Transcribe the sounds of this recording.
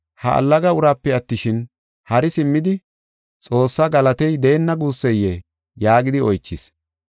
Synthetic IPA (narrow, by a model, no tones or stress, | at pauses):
hɐ̰ʔɐ̰lːɐɡɐʊɾaːpːɛɐt̪ːɪʃɪn | hɐɾɪsɪmːɪd̪ɪ | t͡sʼo̞ːsːɐɡɐlɐt̪ɛjd̪e̞ːnːɐɡuːsːɛjːɛ | jaːɡɪd̪ɪɔjt͡ʃːɪs